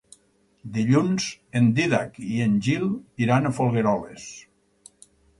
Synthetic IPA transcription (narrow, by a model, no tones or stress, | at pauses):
d̪iʎunz̥end̪iðakienʲʒiliɾanafolˠɣeɾɔles